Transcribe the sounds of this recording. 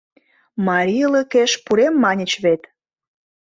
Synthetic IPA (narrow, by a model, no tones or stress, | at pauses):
mɑɾʲiləkeʃpuɾemːɑnʲət͡ɕβet̪